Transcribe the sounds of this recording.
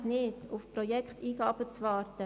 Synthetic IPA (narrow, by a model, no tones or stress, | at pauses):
nɪtʊfprɔjɛkχtiːɡɑːb̥ət͡svɑːɾtə